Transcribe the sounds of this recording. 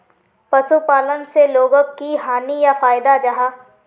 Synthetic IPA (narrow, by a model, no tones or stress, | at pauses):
pɐsupaːlənseloːɡəkːiɦaːnijafaːɪd̪ad͡ʒɐɦaː